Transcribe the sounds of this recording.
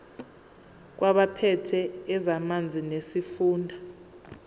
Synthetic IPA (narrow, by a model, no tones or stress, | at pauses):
k̬waɓapʰɛtʰɛːzamand͡zʱinesifuːndʱa